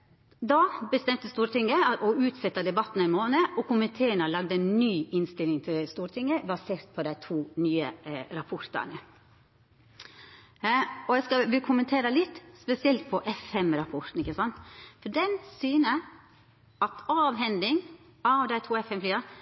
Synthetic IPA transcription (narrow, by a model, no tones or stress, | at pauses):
d̪ɑbəst̪ɛmt̪əst̪uːɾt̪ɪŋːəʔɔʉːt̪sɛt̪ːɑd̪ɛbɑt̪ːnɪmoːnəʔɔkʊmənt̪ʰeːənɑlɑɡ̚d̪əɛnnyːʔɪnst̪ɪlːɪŋt̪ʰɪlst̪uːɾʈ̪ʰɪŋəbɑseːɾt̪̚pʰɔd̪æɪt̪ʰuːnyːə̰ɾɑpʰɔɾt̪ɑ̰nə | ɔjæskɑʋɪkʰʊmənt̪ʰeːɾəlɪt̪ːspɛsɪɛlt̪̚pʰɔʔɛfɛmɾɑpʰɔɾt̪n̩ɪçːəsɑnt̪fɔɖɛnsyːnə | ɑt̪ɑːʋɦɛnd̪ɪŋ | ɑʋd̪æɪt̪ʰuːɛfɛmfliːɑɾ